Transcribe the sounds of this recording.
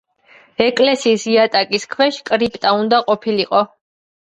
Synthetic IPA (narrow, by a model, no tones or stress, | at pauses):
ɛkʼlɛsiːsiat̪ʼakʼiskʰwɛʃkʼɾipʼt̪ʼaund̪aqʼɔpʰiliqʼɔ